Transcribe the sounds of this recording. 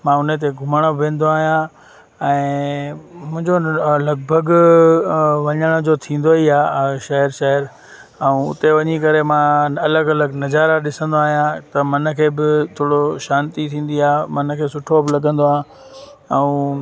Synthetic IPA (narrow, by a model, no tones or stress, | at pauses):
mãʊnət̪̬eɡʱʊməɽ̃oʋẽːn̆d̪oaːɦijã | ɛ̃ː | mʊ̃ɦɪ̃ɲd͡ʑolɐɡ̚bʱəɡ | ʋɐɲəɽ̃od͡ʑot̪ʰĩːn̆d̪oɦiaːʃɐɦɪɾʃɐɦəɾ | ɛũʊ̰t̪eʋɐɲikɐɾemãɐləɡɐləɡnɐd͡ʑaːɾaɗɪsə̃nd̪oaːɦijãt̪ɐmɐnə̆kʰeːbɪt̪ʰoːɽoʃaːnt̪it̪ʰĩːn̆d̪iaːmɐnkʰeːsʊʈʰobɪlɐɠə̃nd̪oãː | ɛ̃ũ